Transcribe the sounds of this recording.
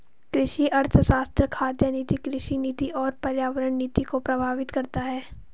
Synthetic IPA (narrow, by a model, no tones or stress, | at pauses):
kɾɪʃiʔɐɾt̪ʰəsaːst̪ɾəkʰaːd̪jəniːt̪ikɾɪʃiniːt̪iʔɔːɾpɐɾjaːʋəɾəɳ̃niːt̪ikopɾɐbʱaːʋɪt̪kɐɾt̪aɦɛː